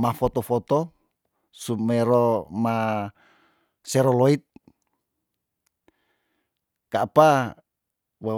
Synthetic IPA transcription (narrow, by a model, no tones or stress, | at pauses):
mafɔt̪ɔfɔt̪ɔ | sumɛɾoma | sɛɾɔloit̪̚ | kapa | wa